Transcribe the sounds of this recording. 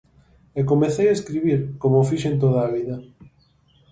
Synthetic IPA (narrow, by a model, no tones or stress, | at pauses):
ekomeθejaeskɾiβiɾkomofiʃent̪oðaːβiðɐ